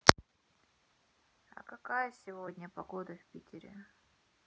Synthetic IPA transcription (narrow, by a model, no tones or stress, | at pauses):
ɐ̰kɐkajəsʲɪvodʲnʲəpɐɡod̪əfʲpʲitʲɪɾʲɪ̰